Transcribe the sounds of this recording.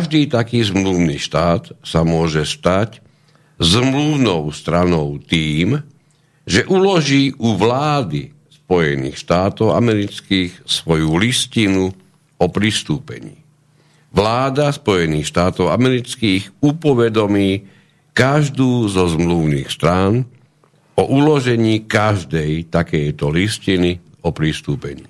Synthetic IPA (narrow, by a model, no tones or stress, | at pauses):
ʒd̪iːt̪akiːzmluʊnḭːʃt̪aːt̪samʊɔʒɛst̪ac | zmluʊnɔʊst̪ɾanɔʊt̪iːm | ʒɛʔulɔʒiːʔuʋlaːd̪ḭ | spɔjɛnḭːxʃt̪aːt̪ɔʊa̰mɛɾit͡skiːxsʋɔjuliscinu | ɔpɾist̪uːpɛ̰ɲḭː | ʋlaːd̪aspɔjɛniːxʃt̪aːt̪ɔʊa̰mɛɾit͡skiːɣupɔʋɛd̪ɔmiː | kaʒd̪uːzɔzmluʊnḭːxst̪ɾaːn | ɔʔulɔʒɛɲiːkaʒd̪ɛjt̪akɛjt̪ɔliscini | ɔpɾist̪uːpɛ̰ɲḭː